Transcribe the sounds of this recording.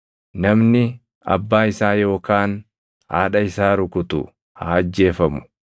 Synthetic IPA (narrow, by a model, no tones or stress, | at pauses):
nɐmnɪ | ɐ̰bːaːɪsaːjo̞ːkaːn | haːᶑɐɪsaːɾʊkʊt̪ʊ̰ | haːɐd͡ʒːe̞ːfɐmʊ̥